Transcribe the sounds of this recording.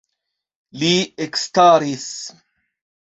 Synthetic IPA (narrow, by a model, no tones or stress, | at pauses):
liekst̪aːɾis